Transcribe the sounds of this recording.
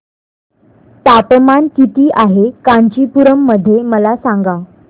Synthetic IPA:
t̪apəmankit̪iːʔaɦekaɲt͡ɕiːpuɾəmːəd̪ʱːjeməlasaŋɡa

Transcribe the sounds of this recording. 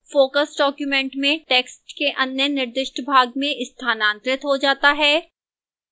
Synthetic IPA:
foːkəsɖɔːkjumɛ̃ɳʈmẽʈeːksʈkeʔɐ̃njənɪɾd̪ɪʃʈəbʱaːɡ̚mẽʔɪst̪ʰaːnãːnt̪ɾɪt̪ɦod͡ʒaːt̪aɦɛː

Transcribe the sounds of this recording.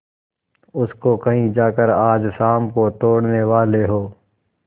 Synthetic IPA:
ʊskokɐɦĩd͡ʒaːkəɾaːd͡ʒsaːmkot̪oːɽneʋaːleɦoː

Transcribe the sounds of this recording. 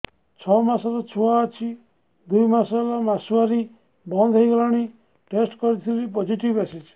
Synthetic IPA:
t͡ʃʰɔmasɔɾɔt͡ʃʰuaːt͡ʃʰi | d̪ujmasɔlamasuaɾi | bɔnd̪ʱɔjɡɾɔɽ̃i | ʈesʈkɔɾit̪ʰilipod͡ʒiʈibasid͡ʒ

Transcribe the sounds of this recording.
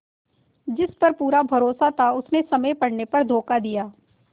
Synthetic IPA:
d͡ʒɪspɐɾpuːɾabʱɐɾoːsat̪ʰaʊsnesɐməjpɐɽnepɐɾd̪ʱoːkad̪ijaː

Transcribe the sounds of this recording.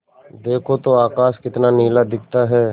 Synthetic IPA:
d̪eːkʰot̪oaːkaːskɪt̪naniːlad̪ɪk̚ʰt̪aɦɛː

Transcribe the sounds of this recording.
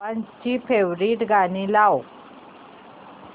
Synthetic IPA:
ant͡ɕipeʋɾiːʈɡanĩlaw

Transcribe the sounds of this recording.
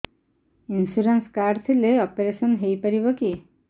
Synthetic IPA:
insuɾenskaɾɖt̪ʰileɔpeɾesɔnɦejpaɾiβɔki

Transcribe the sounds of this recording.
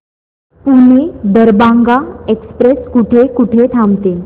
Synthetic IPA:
puned̪əɾbaŋɡaekspɾeskuʈʰekuʈʰet̪ʰamt̪e

